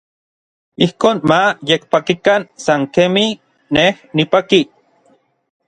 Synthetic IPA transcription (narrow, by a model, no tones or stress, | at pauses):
ihkoːnmajek̚pakikansaŋkemi | nehnipaki